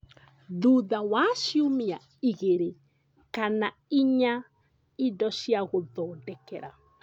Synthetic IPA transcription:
ðuðawaʃiomia | iɣeɾe | kana | iɲa | idɔɕjaɣoðɔːdɛkɛɾa̰

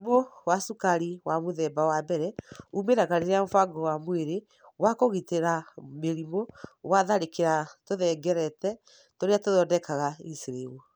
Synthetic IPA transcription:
mowasukaɾiwamoðɛbawabɛɾɛumeɾaɣaɾeɾeamofaɡɔwamweɾe | wakoɣiteɾameɾimowaðaɾekeɾatoðɛɡɛɾɛtɛ | toɾeatoðɔdɛkaɣaisiɾewu

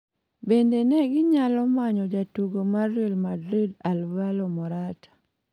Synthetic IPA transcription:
bendenɛɡɪɲalɔmaɲɔd͡ʒatuɡomadːilmadɾidalbalɔmɔɾatḁ

